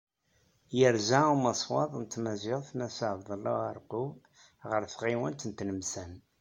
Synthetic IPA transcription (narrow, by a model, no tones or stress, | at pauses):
jəɾzaumɑsˤwɑðˤnt̪ːmæzɪʁθnæsəʕvðˤəlaəɾˤqu | ʁəɾθʁiwənt̪ənt̪nəmsæn